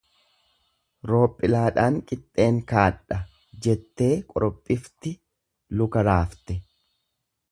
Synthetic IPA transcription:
ɾo̞ːpʼːɪlaːᶑaːŋkʼɪt̪ʼːe̞ːŋkaːᶑɐ | d͡ʒɛt̪ːe̞ːkʼɔ̰ɾɔpʼːɪft̪ɪ | lʊkɐɾaːft̪ɛ

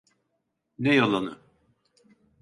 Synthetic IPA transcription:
nɛjalˠanɯ̰

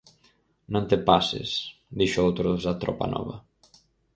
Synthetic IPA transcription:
nõnt̪epasḛsd̪iʃoowt̪ɾoðzat̪ɾɔ̰pa̰nɔ̰βɐ̰

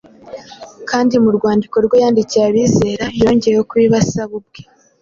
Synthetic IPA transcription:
kaːndimuɾɡwaːndiko̞ɾɡwo̞jaːndicijaβiːze̞ːɾajo̞ːɲɟe̞ɾejokuβiːβasaβub̚ɡe

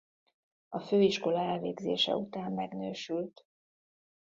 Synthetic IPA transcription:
ɒføːiʃko̞lɒɛlveːɡzḛːʃɛ̰ut̪aːmːɛɡnøːʃylt̪

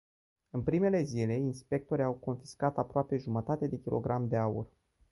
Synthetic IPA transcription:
ɨnpɾime̞le̞zile̞inspe̞k̚t̪o̞ɾiawko̞nfi̥skat̪apɾoape̞ʒumət̪at̪ed̪e̞kʲilʔo̞̰ɡɾamd̪e̞aṵr

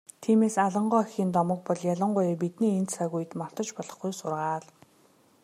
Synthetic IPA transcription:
t̪ʰiːmeːsaɮə̆ɴɢɔːxiːnt̪ɔmɞ̆k̚pɔɮjaɮə̆ɴɢʊjp̬it̪niːent̪saɣuj̆t̪mɔr̥t̪ɞ̆t͡ɕpɔɮɞ̆χɡujsʊrʁaːɮ

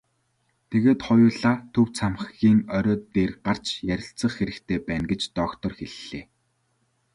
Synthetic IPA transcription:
t̪ʰeɣeːt̪χɔjʊːɮaːt̪ʰɵwt͡sʰamχxiːŋœɾʲɔːt̪eːrɢar̥t͡ɕjæɾʲɪ̆ɬt͡sə̆χxeɾɘ̆kt̪ʰeːpæːnɡet͡ɕt̪ɔkt̪ɞ̆rxeɮːeː

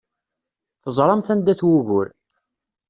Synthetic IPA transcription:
θəzˤɾˤɑmθænd̪æθwuʝʊɾ

